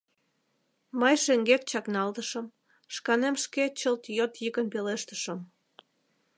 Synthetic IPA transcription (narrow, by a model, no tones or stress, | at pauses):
məjʃeŋɡek̚t͡ɕɑknɑlt̪əʃəm | ʃkɑnemʃket͡ɕəlt̪jot̪jiɣənpeleʃt̪əʃə̆m